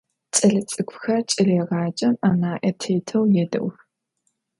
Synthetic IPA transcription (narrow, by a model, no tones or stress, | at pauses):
t͡sʼɐɮɨt͡sʼɨkʷʰʼxɐrt͡ʃʼɪɮɛʁɑːt͡ʃʼɐmaːnaːʔɐtʰeːtʰɐwjɛdɐ̰wx